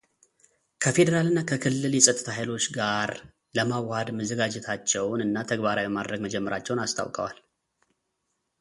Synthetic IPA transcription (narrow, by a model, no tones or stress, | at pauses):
kʰəfe̞d̪əɾalɨnːakʰəkʰɨlːɨljɛsʼət̪ʼɨ̥t̪ʰaɦajlo̞t͡ʃːɡaɾ | ləmawad̪məzəɡad͡ʒɛt̪ʰat͡ʃːɛwnɨnːat̪ʰəɡbaɾawibɛmad̪ɾəɡməd͡ʒɛmːəɾat͡ʃːɛwnast̪ʰa̰wkʼəwa̰l